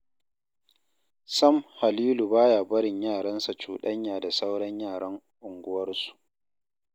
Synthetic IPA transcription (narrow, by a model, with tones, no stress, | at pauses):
sɐ˦mha˨liː˦lu˨baː˦jaː˨bɐ˦ɽɪ˨ɲjaː˦˨ɽɐ˦nsa˨t͡ʃuː˨ɗɐ˦ɲjaː˨da˨sa˦wɽɐ˦ɲjaː˦˨ɽɐ˦ŋ | ʔʊ˨ŋɡʷʊ˦wɐ˦rsu̥˨ʔ